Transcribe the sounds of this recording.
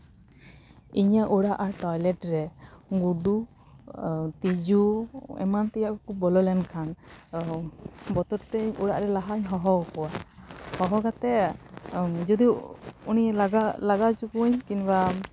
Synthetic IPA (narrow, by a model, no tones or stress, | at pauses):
iɲaʔuɽaʔaɾʈɔjlɛʈɾɛɡuɖu | t̪id͡ʒuɛ̰mant̪ɛjaʔkɔkubɔlɔlɛnkʰan | bɔt̪ɔɾt̪ɛɲuɽaʔɾɛlaɦaɲɦɔɦɔkɔwahɔɦɔɡat̪ɛ | d͡ʒɔd̪iunilaɡalaɡat͡ʃukuɲkinba